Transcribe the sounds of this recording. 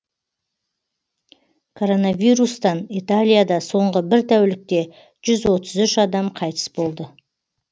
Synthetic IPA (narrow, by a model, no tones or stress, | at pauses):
kʰo̞ɾo̞navijɾust̪ɑnijt̪alʲijad̪ɑso̞ɴʁəbɪɾt̪ʰæwlɪk̚t̪e̞ | ʒ̥ʏzwo̞t̪əzʏʃɑd̪ɑmqʰɑjt̪ʰə̥sbo̞lˠd̪ə